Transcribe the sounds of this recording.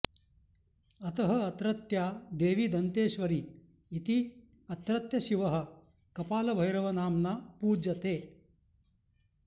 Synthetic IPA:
ɐt̪ɐɦɐɐt̪ɾɐt̪jaːd̪eːʋiːd̪ɐnt̪eːʃʋɐɾiː | t̪i | ɐt̪ɾɐt̪jɐʃiʋɐɦɐ̆ | kɐpaːlɐbʱɐjɾɐʋɐnaːmnaːpuːd͡ʒɐt̪eː

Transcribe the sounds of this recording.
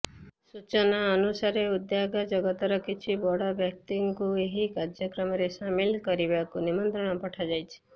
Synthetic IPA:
sut͡ʃɔnaənusaɾeud̪jaɡad͡ʒɔɡɔt̪ɔɾɔkit͡ʃʰibɔɽɔbjʌk̚t̪iŋkueɦikaɾd͡ʒjɔkɾɔmɔɾesamilkɔɾibakunimɔnt̪ɾɔɽ̃ɔpɔʈʰad͡ʒajt͡ʃʰi̥

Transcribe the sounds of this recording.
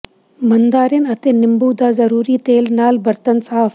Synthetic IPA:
mɐnd̪aːɾinɐt̪enɪmbuːd̪aːzɐɾuːɾiːt̪eːlnaːlbɐɾt̪ɐnsaːf

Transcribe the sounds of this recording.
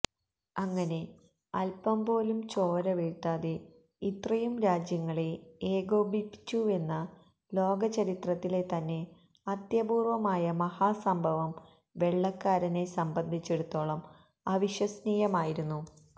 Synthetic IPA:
ɐŋːɐne̞ | ɐlpɐmpo̞ːlumt͡ɕo̞ːɾɐʋeɻt̪ːaːðe | it̪rɐjumɾaːd͡ʑjɐŋːɐɭeeːɡo̞ːbʱipːi̥t͡ɕːue̞nːɐ | lo̞ːɡɐt͡ɕɐɾit̪rɐt̪ːile̞t̪ɐnːe̞ | ɐd̪jɐbuːrʋɐmaːjɐmɐhaːsɐmbʱɐʋɐm | ʋe̞ɭːɐkːaːɾɐne̞sɐmbɐnd̪ʱit͡ɕːe̞ɽut̪ːo̞ːɭɐm | ɐʋiɕjɐsniːjɐmaːjiɾunːu

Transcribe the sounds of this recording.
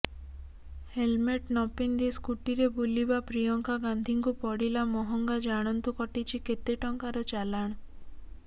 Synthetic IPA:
helmeʈnɔpind̪iskuʈiɾebulibapɾijɔŋkaɡand̪ʱiŋkupɔɽilamɔɦɔŋɡad͡ʒaɽ̃ɔnt̪ukɔʈit͡ʃʰiket̪eʈɔŋkaɾɔt͡ʃalaɽ̃

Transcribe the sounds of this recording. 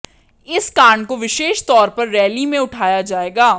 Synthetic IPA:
ɪskaːɳkoʋɪʃeːʃt̪ɔːɾpɐɾːɛːlimẽʊʈʰaːjad͡ʒaːeːɡaː

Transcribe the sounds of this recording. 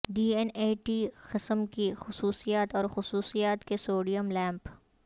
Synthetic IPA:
ɖiːeneːʈixɪsəmkixʊsuːsijaːt̪ɔːɾxʊsuːsijaːt̪kesoːɖijəmlɛ̃ːmp

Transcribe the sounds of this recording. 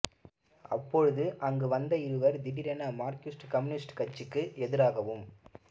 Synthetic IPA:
ɐ̰pːɔɻɯðɯʔɐŋɡɯʋɐnd̪ɐɪɾɯʋɐɾd̪ɪɽɪɾɛnɐmaːɾkjusʈkɐmɯnɪsʈkɐt͡ʃːɯkːɯɛðɪɾaːɣɐʋɯm

